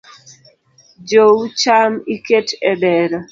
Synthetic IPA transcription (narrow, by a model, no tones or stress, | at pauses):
d͡ʒowt͡ʃamiketɛdɛɾɔ